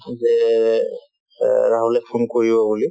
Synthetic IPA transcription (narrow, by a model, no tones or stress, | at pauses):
zɛ | ɹaɦulɛpʰunkoɹibɔbuli